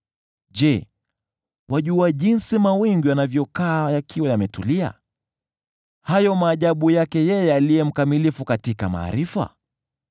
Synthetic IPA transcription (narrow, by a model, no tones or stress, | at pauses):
ʄɛ | wʔaʄuaʄinsimawiŋɡiwanavjɔkaːjakʰiwajamɛtulia̰ | hajɔmaːʄaɓujakɛjɛjɛalijɛm̩kamilifukatikama̰ːɾifa̰